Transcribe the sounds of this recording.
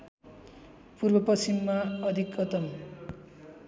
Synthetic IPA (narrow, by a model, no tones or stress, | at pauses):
purbʌprʌsimːaʌd̪ʱikːʌt̪ʌm